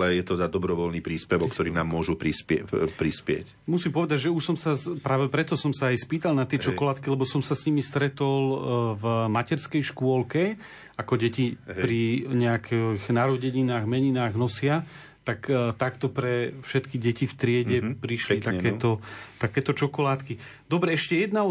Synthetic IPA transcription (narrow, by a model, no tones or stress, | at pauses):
lɛjɛt̪ɔd̪ad̪ɔbɾɔʋɔlniːpɾiːspɛʋɔkt̪ɔɾiːnaːmːʊɔʒupɾispɛpɾispɪɛ̰c | musimpɔʋɛd̪aɟʒɛuʃsɔmsapɾaːʋɛpɾɛt̪ɔsɔmsaːjspiːt̪alnat̪ɪɛt͡ʃɔkɔlat̪kilɛbɔsɔmsasɲimist̪ɾɛt̪ɔlvmacɛɾskɛjʃkʊɔlkɛ | akɔɟɛcipɾiɲɛakʰɛɣnaɾɔɟɛɲinaːɣmɛɲinaːɣnɔsɪa | t̪akt̪akt̪ɔpɾɛfʃɛt̪kiɟɛcift̪ɾɪɛɟɛpɾiʃlit̪akkɛːt̪ɔt̪akɛːt̪ɔt͡ʃɔkɔlaːt̪ki | d̪ɔbɾɛɛʃcɛjɛd̪naɔ